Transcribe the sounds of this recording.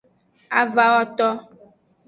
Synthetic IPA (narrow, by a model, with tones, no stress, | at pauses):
a̰˨va˦wɔ˦t̪ɔ˦